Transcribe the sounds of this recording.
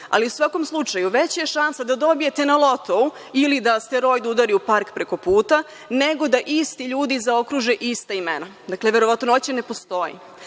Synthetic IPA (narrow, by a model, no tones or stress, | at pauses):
a̰liusʋako̞mslˠut͡ʃajuʋet͡ɕjeʃansad̪ad̪o̞bije̞t̪e̞nalˠo̞t̪o̞u | ilid̪ast̪eɾo̞jd̪ud̪aɾiupaɾkpɾe̞ko̞puːt̪a | neɡo̞d̪aʔist̪iʎuːd̪izao̞kɾuːʒeʔist̪aimḛnad̪akleʋeɾo̞ʋat̪nonot͡ɕene̞po̞st̪o̞jḭ